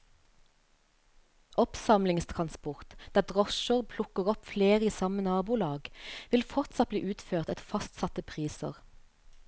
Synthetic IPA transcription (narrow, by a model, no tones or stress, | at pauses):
ʔɔpsɑmlɪŋst̪ʰʁɑnspʊʁt̪d̪̥æːd̪ʁɔʃəʁpʰlʊkəʁɔpfleːʁəiːsɑmənɑːbuːlɑːɡʋɪlfɔʁt̪sɑt̪̚bliːʔʉːt̪føːʁt̪ɛt̪fɑst̪sɑt̪əpʰʁiːsə̰ʁ